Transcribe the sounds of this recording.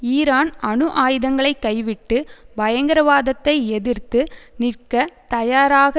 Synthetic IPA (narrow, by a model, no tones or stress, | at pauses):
iːɾaːnɐɳɯʔaːjɯðɐŋɡɐɭɐɪkːɐɪʋɪʈːɯbɐjɐŋɡɐɾɐʋaːðɐt̪ːɐɪɛðɪrt̪ɯnɪrkɐt̪ɐjaːɾaːɣɐ